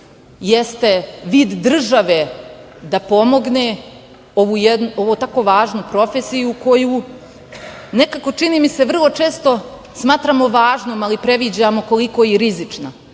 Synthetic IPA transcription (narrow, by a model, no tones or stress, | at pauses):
jest̪e̞ʋiːd̪ːr̩ʒaʋe̞ | d̪apo̞mo̞ɡne | o̞ʋujed̪nuo̞ʋot̪ako̞ʋaːʒnupɾo̞fesijuko̞ju | ne̞kako̞t͡ʂinimise̞ʋr̩lˠo̞t͡ʃe̞ːst̪o̞ | smaːt̪ɾamo̞ʋaːʒnoːmalipɾe̞ʋid͡ʑamo̞ko̞liko̞jiɾizit͡ʂna